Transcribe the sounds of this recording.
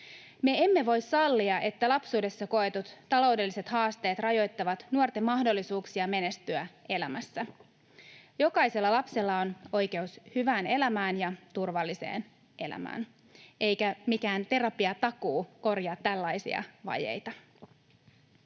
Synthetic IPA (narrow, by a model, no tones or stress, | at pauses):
me̞emːe̞ʋo̞jssɑlːiɑʔe̞t̪ːælɑpsuːde̞sːɑko̞et̪ut̪ːɑlo̞wde̞lːise̞t̪hɑːst̪e̞ːt̪rɑjo̞jt̪ːɑʋɑt̪nuort̪e̞mːɑhdo̞lːisuːksiɑme̞ne̞st̪yæe̞læmæsːæ | jo̞kɑjse̞lːɑlɑpse̞lːɑono̞jk̟e̞ushyʋæːne̞læmæːnjɑt̪urʋɑlːise̞̰ːn | e̞̰læ̰mæ̰ːn | e̞jkæmikæːnt̪e̞ɾɑpiɑt̪ɑkuːko̞rjɑːt̪ːælːɑjsḭɑ̰ʋɑ̰jḛjt̪ɑ